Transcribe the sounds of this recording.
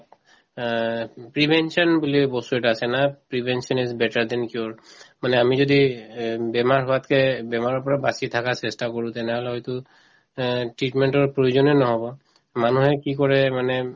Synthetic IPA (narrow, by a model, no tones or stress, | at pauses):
pɹibʱɛnsiɔnbulibɔstuɛtaːsɛnapɹibʱɛnsiɔnizbɛtaɹd̪ɛnkiɔɹmanɛamizodibɛmaɹɦɔatkɛbɛmaɹɔɹpɔɹabasitʰakasɛstakoɹũtɛnɛɦɔlɛɦɔjtʊ | tɹitmɛntɔɹpɹojuzɔnɛnɔɦɔbɔ | manuhɛkikɔɹɛmanɛ